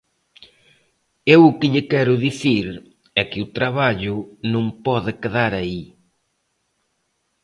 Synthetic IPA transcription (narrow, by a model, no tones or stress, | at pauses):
ewʊkɪʎɪkɛɾʊðiθiɾ | ɛkɪʊt̪ɾaβaʎʊnõŋpɔðɪkeðaɾai